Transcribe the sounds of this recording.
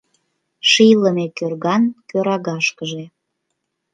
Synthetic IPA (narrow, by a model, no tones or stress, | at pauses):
ʃijləmekørɣɑnkøɾɑɣɑʃkəʒe